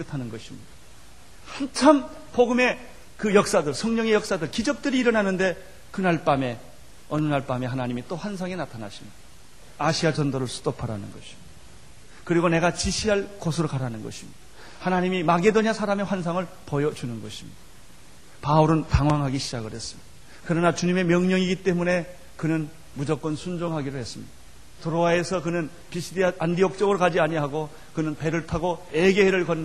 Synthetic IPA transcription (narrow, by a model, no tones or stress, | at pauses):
k͈ɯtʰanɯnɡʌɕʰimɲid̥a | hant͡ɕʰam | poɡɯme̞ | kɯjʌk̚s͈adɯɭsʰʌŋɲʌŋe̞jʌk̚s͈adɯɭkid͡ʑʌk̚t͈ɯɾiːɾʌnɦanɯnde̞ | kɯnaɭp͈ame̞ | ʌnɯnaɭp͈ame̞ɦanaɲimit͈oɸwansʰaŋe̞natʰanaɕʰimid̥a | aɕʰiad͡ʑʌndʌɾɯɭsʰu̥dopʰaɾanɯnɡʌɕʰi̥mɲid̥ | kɯɾiɡone̞ɡat͡ɕiɕʰiɦaɭkosʰɯɾokaɾanɯnɡʌ̰ɕʰimid̥a | hanaɲimimaɡe̞doɲiasʰaɾame̞ɸwansʰaŋɯɭ | pojʌd͡ʑunɯnɡʌɕʰi̥mɲid̥a | pauɾɯntaŋwaŋɦaɡiɕʰid͡ʑaɡɯɭhe̞s͈ɯmɲid̥a | kɯɾʌnat͡ɕuɲime̞mjʌŋɲʌŋiɡit͈e̞mune̞ | kɯnɯn | mud͡ʑʌk͈ʌnsʰund͡ʑoŋɦaɡiɾohe̞s͈ɯmɲḭd̥a | toɾowae̞sʰʌkɯnɯn | piɕʰidiaʔandiʌk̚t͡ɕ͈ʌɡɯɾokad͡ʑiaɲiɦaɡo | kɯnɯnpe̞ɾɯɭtʰaɡoe̞ɡeɦeɾɯɭkʌn